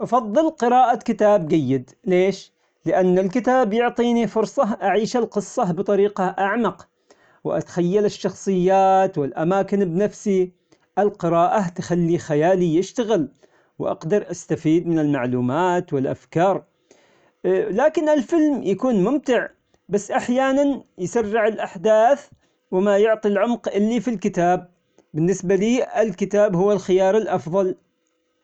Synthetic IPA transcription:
ʔɑfɑðˤːɨlqɨɾɑːʔakɪt̪aːb̚d͡ʒajːɪd̪ | leːʃ | lɪʔanːɪlkɪt̪aːbjʊʕt̪ˤiːnifʊɾsˤɑɦʔaʕiːʃalqɨsˤːɑbɨt̪ˤɑɾiːqɑʔaʕmɑq | wʔa̰t̪xajːalɪʃːɑxsˤɨjːaːt̪wɪlʔamaːkɪnbnafsi | ʔɪlqɪɾaːʔat̪xalːixajaːlijɪʃt̪aɣɪl | wʔɑ̰qd̪ɑɾˤʔast̪afiːd̪mɪnɪlmaʕluːmaːt̪wɪlʔa̰fkɑːɾˤ | laːkɪnɪlfɪlmjakuːnmʊmt̪ɪʕ | basːʔaħjaːnanjsarːɪʕɪlʔaħd̪aːθ | wɪmajʊʕt̪ˤilʕʊmqʔɪlːifilkɪt̪aːb̚ː | ɪnːɪsbaliːɪlkɪt̪aːbhʊwːalxɪjɑːɾˤɪlʔɑfðˤɑl

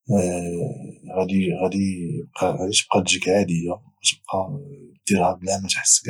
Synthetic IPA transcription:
ɣæd̪iɣæd̪ib̚qɑt̪ə̥b̚qɑd̪ʒikʕad̪əjːa | ɣæt̪əb̚qɑt̪ːiɾhæblæmæt̪ħə̥sːb

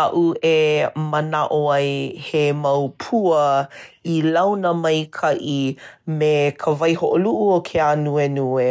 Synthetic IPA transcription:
aʔuemənaʔoajhemawpʰuəilawnəmɐjkʰɐʔimekʰəvɐjhoʔoluʔuokʰeanuenue

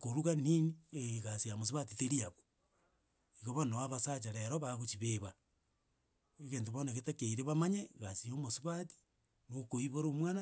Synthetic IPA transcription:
koɾuɣaninieɣasiamos̬iβatiteɾiaβo̥ | iɣoβanowaβasat͡ʃaɾeɾoβaɣot͡ʃiβeβa | eɣeːntoβonaɣetekeiɾeβamaɲeɣasiomosiβati̥ | nokoiβoɾomwana

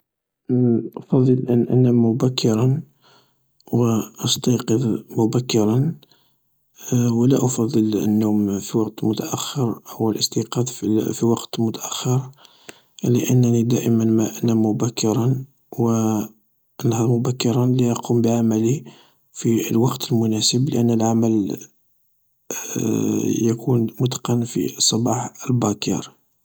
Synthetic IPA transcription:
ʔfɑd̪ˤːəlʔənʔæ̰næmːʊbækʰːəɾˤɑn | wʔɑst̪ɑqəðmʊbækːəɾˤɑn | wəlæʔɑfɑd̪ˤːələ̰nːumfiwɑqt̪mʊt̪aʔæxːəɾhʊwːəlʔəst̪iqɑd̪ffiwɑqt̪mʊt̪aʔæxːəɾ | lə̰ʔə̰nːnid̪æʔəmənmæʔnæmːʊbækːəɾˤɑn | wə | ʔənːhɑɾˤmʊbækːəɾˤɑnliʔɑqʰumbəʕamæli | filwɑqt̪əlmʊnæsəbləʔənːəlʕaməl | jəkunmʊt̪qɑnfḭsˤːɑbɑħəlbɑkɑ̰ɾˤ

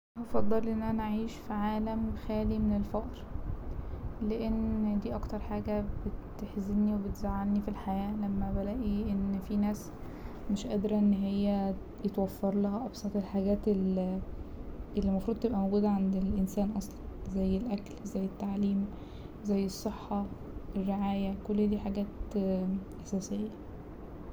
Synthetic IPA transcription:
ʔɑfɑd̪ˤːɑlʔenːʔænæʔʕiːʃfiʕaːlæmxæːlimenelfɑʔɾ | leʔend̪iːʔɑkt̪ɑɾˤħaːɡæb̥et̪eħzeniwebet̪zaʕːalnifilħajæːlæmːæbælæʔiʔenːfinæːs | meʃʔæːd̪ɾɑʔenːɦejːæ | jet̪wæfːɑɾˤlæhæʔɑbsˤɑt̪ˤelħaɡæːt̪el | ʔelːimɑfɾuːd̪̚t̪ebʔæmoɡuːd̪æʕand̪elʔensæːnʔɑsˤlɑnzæjːelʔæklzæjːet̪ːaʕliːm | zæjːesˤːeħːɑ | ʔerːeʕaːjækolːd̪iːħaɡæːt̪ | ʔæsæːsejːæ

